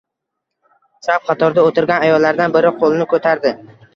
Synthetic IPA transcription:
saw̚qʰɑt̪ʰɒɾd̪aot̪ɪɾɡʲanajɒlːaɾd̪anbɪɾɪqʰolˠɪnɪkʰɵt̪ʰaɾd̪ɪ

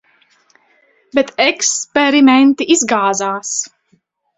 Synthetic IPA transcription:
bɛt̪ɛkspɛɾimɛnt̪iʔizɡaːzaːs

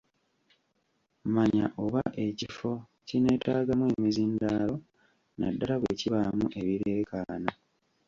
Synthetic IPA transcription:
maɲa̰ʔo̞βaʔe̞cifo̞ | cine̞ːtaːɡamwe̞ːmizindaːlo̞ | na̰dːalaβwḛːciβamuʔe̞βiɾe̞ːkaːna

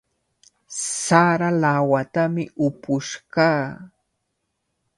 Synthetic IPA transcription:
saɾalawat̪amɪ̰ʔʊpʊʃkaː

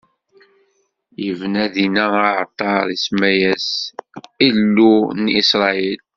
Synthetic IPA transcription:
jəvnæðinæaʕt̪ˤːɑɾˤismæjæs | ilːunisɾˤɑil

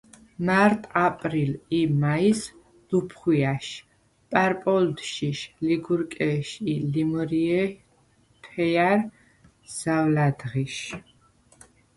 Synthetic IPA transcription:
maɾt̪ʼapʼɾilimais | lupʰχwiaʃ | pʼaɾpʼɔld̪ʃiʃliɡuɾkʼɛʃilimɔɾiɛ | pʰɛjaɾ | z̥avlad̪ʁiʃ

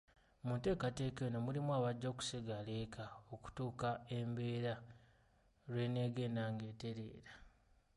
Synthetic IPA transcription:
mute̞ːkate̞ːkenomulimwaːβaɟːo̞ːku̥siɡale̞ːkʰao̞ku̥tuːkaembe̞ːɾa | ɾwe̞ne̞ːɡenaːŋɡe̞ːte̞ɾe̞̰ːɾḁ

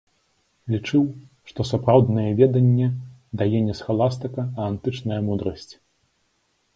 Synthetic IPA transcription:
lʲit͡ʂɨw | ʂt̪ɔsapɾawd̪nɐjɛvʲɛd̪ɐnʲːɛd̪ajɛnʲɛsxalˠast̪ɐkɐːnt̪ɨt͡ʂnɐjɐmud̪ɾɐsʲt͡sʲ

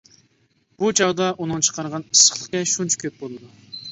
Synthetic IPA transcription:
b̥ut͡ʃʰɑwd̪ɑʔunɨŋt͡ʃʰə̥qʰɑɾʁɑnisə̥χlˠəχkʲɛʃunt͡ʃʰu̥kʲʰøp̚bolˠɨd̪u

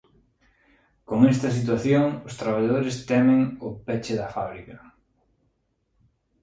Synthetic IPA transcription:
koŋɛst̪ɐs̬it̪̬waθjoŋʊst̪ɾaβ̞aʎaðoɾɪst̪ɛmɪ̃ŋʊpɛt͡ʃɪðɐfaβɾikɐ

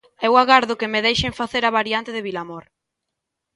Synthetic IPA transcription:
ɛwaɣaɾðʊkemeðejʃeŋfaθeɾaβaɾjant̪eðeβilamoɾ

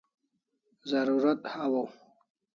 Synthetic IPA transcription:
zaɾuɾat̪hawaw

